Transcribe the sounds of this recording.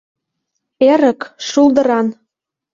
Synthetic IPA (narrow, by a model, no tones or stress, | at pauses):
eɾə̆kʃuld̪ɤ̆ɾɑn